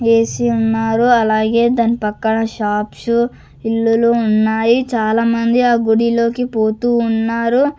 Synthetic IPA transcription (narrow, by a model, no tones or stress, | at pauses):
e̞ːsiunːaːɾuɐlaːɡe̞ːd̪aːnːipɐkːɐɳɐʃaːpʂu | ilːuluːnːaːjit͡ʃaːlaːmɐnd̪iaːɡoɽilo̞ːkipo̞ːt̪uːnːaːɾu